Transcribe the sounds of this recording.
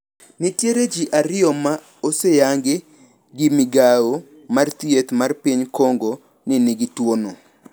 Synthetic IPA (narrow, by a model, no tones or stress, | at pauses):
nɪtjeɾed͡ʒiʔaɾɪɔma | osejaŋɡɪ | ɡɪmiɡao | mart̪jet̪marpiɲkoŋɡo | nɪnɪɡɪtwono